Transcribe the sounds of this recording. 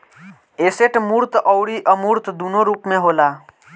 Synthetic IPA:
eseʈmuːɾt̪əwɽiʔəmuːɾt̪d̪unoɾuːpmẽɦoːla

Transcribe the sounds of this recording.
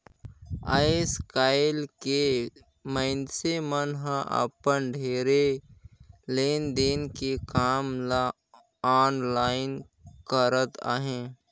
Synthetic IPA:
a̰ːeskaːɪlke | mə̃ɪnsemənɦãʔə̰pənɖʱeːɾe | leːnd̪eːnkekaːmla | aːnlaːɪn | kəɾət̪a̰ːɦẽː

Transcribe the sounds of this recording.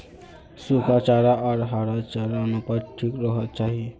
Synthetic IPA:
sukʰat͡ʃaːɾaaɾɦaɾat͡ʃaːɾanupəɾʈʰikɾəɦət̪̚t͡ʃaːɦie

